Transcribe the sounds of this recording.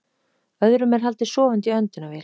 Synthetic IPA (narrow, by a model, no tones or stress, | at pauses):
œðɾʏmɛɾ̥ɦal̪t̪ɪsɔːvant̪iœnt̪ʏnavɛːl